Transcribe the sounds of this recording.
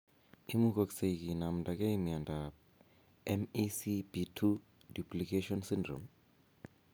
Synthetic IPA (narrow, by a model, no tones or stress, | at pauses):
imuk̬oksek̬inam̩ndʱʼak̬ʼeimiandʱap | ɛmisibitʰu | duplikʰeʃɔnsindrɔ̰m